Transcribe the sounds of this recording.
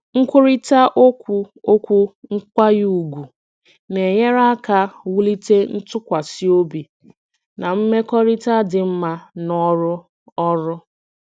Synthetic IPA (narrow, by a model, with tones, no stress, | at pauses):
ŋ̩˦kʷʊ˦ɾi˦ta˦ʔo˦kʷu˨o˦kʷu˦ŋ̩˦kʷa˦ju˦u˨ɡʷu˨ | ne˨ɲe˦ɾa˦ka˦wu˦li˦te˦n̩˦tʊ˦kʷa˨si˦o˦bi˨ | na˨m̩˦me˦kɔ˦ɾi˦ta˦dɪ˨m̩˦ma˦nɔ˦ɾʊ˦ | ɔ˦ɾʊ˦